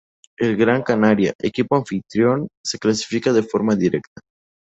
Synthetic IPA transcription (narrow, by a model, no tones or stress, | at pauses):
elɣɾaŋkanaɾja̰ʔekipoaɱfit̪ɾjonseklasi̥fikaðefoɾmaðiɾekt̪ḁ